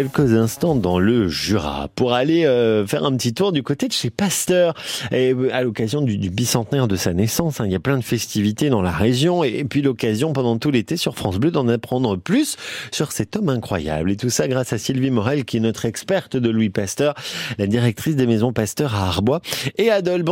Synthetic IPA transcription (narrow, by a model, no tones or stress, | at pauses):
kʲɛlkəzɛ̃st̪ɑ̃d̪ɑ̃ləʒyʁa̰puʁaleøfɛ̰ʁɛ̃pət̪it̪uʁd̪ykot̪ed̪əʃepast̪œːʁealɔkazjɔ̃d̪yd̪ybisɑ̃t̪nɛʁd̪əsanɛsɑ̃sɛ̃iljaplɛ̃d̪əfɛst̪ivit̪ed̪ɑ̃laʁeʒjɔ̃epɥilɔkazjɔ̃pɑ̃d̪ɑ̃t̪ulet̪esyʁfχɑ̃sblød̪ɑ̃napχɑ̃d̪ʁəplysːyʁsɛt̪ɔmɛ̃kχwa̰ja̰blet̪usaɡʁasasilvimɔʁɛlkʲiɛnɔt̪χɛkspɛʁt̪d̪əlwipast̪œʁlad̪iʁɛk̚t̪χis̬d̪emezɔ̃past̪œʁaːʁbwaead̪ɔlb